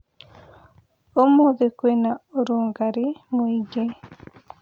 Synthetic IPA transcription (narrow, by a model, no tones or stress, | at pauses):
omuðikwenaoɾuːŋɡaɾimwiːɟe